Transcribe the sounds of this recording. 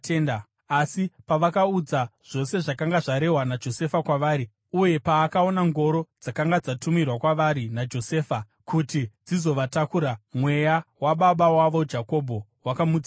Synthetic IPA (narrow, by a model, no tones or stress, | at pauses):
teːnda | asipaʋakaud͡zaʐ̥o̞se̞ʐakaŋɡaʐaɾe̞ɦwanad͡ʒo̞se̞fakwaʋaːɾi | uje̞paːkao̞naŋɡo̞ɾod͡zakaŋɡad͡zatumirwakwaʋaɾinad͡ʒo̞se̞ːfa | kutid͡zizo̞ʋatakuɾamwe̞jawaɓaɓawaʋo̞d͡ʒako̞bʱo̞wakamuːd͡za